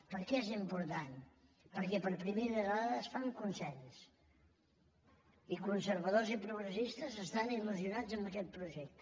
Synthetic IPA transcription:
pəɾkɛezimpuɾt̪an | pəɾkɛpəɾpɾimeɾəðəðaðəːsfaŋkunsɛʎs | ikunsəɾβəðozipɾuɣɾəsist̪əzəst̪aniluziunad͡zəmbəkɛt̪̚pɾuʒɛk̚t̪

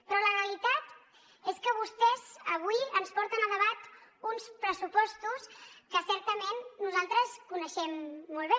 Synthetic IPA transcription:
pɾɔləreəlit̪at̪ | eskəβ̞ust̪ɛzəβ̞uiənspɔɾt̪ənəðəβ̞at̪unspɾəsupɔst̪uskəsɛɾt̪əmenːuzalˠt̪ɾəskunəʃɛmːɔlˠβe

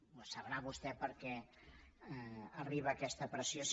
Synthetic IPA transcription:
səβɾaβust̪ɛpəɾkɛ | əriβəːkɛst̪əpɾəsijo

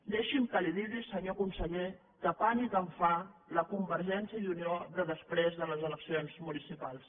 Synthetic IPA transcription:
d̪ɛʃimkəliðiɾisəɲokumsəʎe | kəpaniɣəɱfaləkumbəɾʒɛnsjəðunioðəðəspɾezðələzələksionzmunisipalˠs

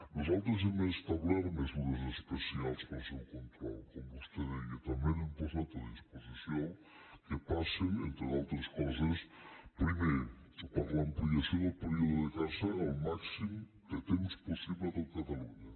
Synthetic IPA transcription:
nozawt̪̬ɾʊz̬emɐest̪ɐβlaɾmezuɾɐzespesialˠspasewkont̪ɾɔ̰lˠkõmbust̪ɐðeiɐt̪ɐmẽnũmposɛt̪ɐðispozisjoŋ | kepaseŋḛnt̪ɾealˠt̪ɾɐskɔzɐspɾimejɾʊpaɾlɐːmpliɐsjõwd̪lpeɾiuðʊðekazɐawmaksimu | ket̪emʊsposiβlɐðɐkɐt̪aluɲɐ

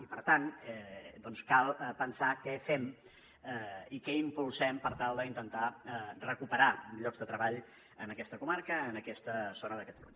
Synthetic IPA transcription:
ipəɾt̪anɛd̪ɔnskalˠpənsakɛfɛm | ikɛimpulˠsɛmpəɾt̪alˠd̪əint̪ənt̪arəkupəɾaʎɔɡzðət̪ɾəβaʎ | ənəkɛst̪əkumaɾkəːnəkɛst̪əzonəðəkət̪əlṵɲə

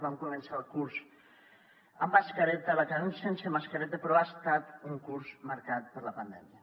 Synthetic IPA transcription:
βamkumə̃nsalˠkuɾsz | əmːaskəɾɛt̪əlakaunsensəmaskəɾɛt̪əpɾɔast̪at̪uŋkuɾzmaɾkat̪̚pəɾləpənd̪ɛmiə

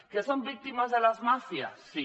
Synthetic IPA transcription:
kesombik̚t̪imazðelazmafja̰si

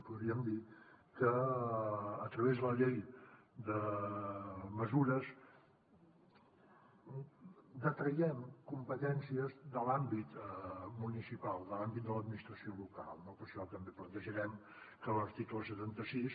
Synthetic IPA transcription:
puðɾiəmd̪i | kəː | t̪ɾəβezðələʎej | d̪ə | məzuɾəs | d̪ət̪ɾəjɛmkumpət̪ɛnsiəzðəlambit̪munisipalˠd̪əlambit̪̚d̪ələd̪minist̪ɾəsioluka̰lˠnopəɾʃɔt̪əmbeplənt̪əʒəɾɛm | kələɾt̪ikləsət̪ant̪əsis

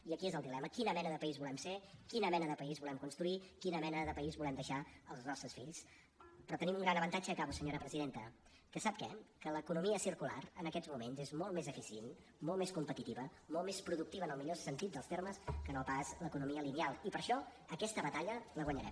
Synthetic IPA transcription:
iəkiezəlˠd̪ilɛməkinəmɛnəðəpəizβulɛmsekinəmɛnəðəpəizβulɛmkunst̪ɾuikinəmɛnəðəpəizβulɛmd̪əʃaəlˠznɔst̪ɾəsfiʎs | pɾɔt̪ənimuŋɡɾanəβənt̪ad͡ʒəːkaβusəɲoɾəpɾəziðent̪ə | kəsap̚kɛ̰kələkunumiəsiɾkula̰rənəkɛzmumenzezmolˠmezəfisien | molˠmeskumpət̪it̪iβəmolˠmespɾuðuk̚t̪iβənəlˠmiʎosənt̪it̪̚d̪əlˠst̪erməskənopazləkunumiəlinialˠipəɾʃɔ | əkɛst̪əβət̪aʎələɣwəɲəɾɛ̰m

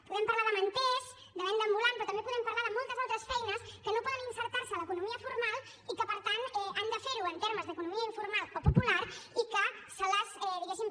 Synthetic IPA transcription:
puðempaɾlaɾðɐmẽnt̪ez | d̪amẽnd̪ambulampɾot̪amempuðempaɾlaɾðmolt̪ɐsalt̪ɾɐsfɛjnɐskənõmpɔðenĩnseɾt̪aɾsalaekunõmiɐfuɾmal | ikəpaɾt̪anɛand̪afeɾuent̪eɾmazðekunõmiɐiɱfuɾmalkopopulaɾikəsalasɛðiɣesim

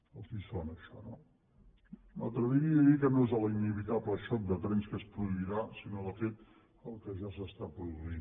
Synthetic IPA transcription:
əlˠkisfonəʃɔ̰no | ma̰lˠt̪ɾəðiiəikənoezələiniβit̪apləʃɔk̚d̪ət̪ɾɛnskəspɾuðuiɾasinoðəfet̪̚ | əlˠkəʒasəst̪apɾuðuin

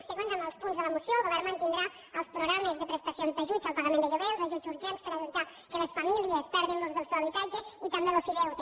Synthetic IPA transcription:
səɣonzənəlˠspunzðələmusjoəlˠɣoβɛɾmənt̪ind̪ɾa | əlˠspɾuɣɾaməzðəpɾəst̪asionzðəʒut͡ʃəlˠpaɣamẽnd̪əʎuβelˠzaʒut͡ʃuɾʒɛnspəɾəβit̪a | kəlesfamiliəspɛɾðinluzðəlˠsɛwəβit̪ad͡ʒəit̪ambelofiðɛwt̪

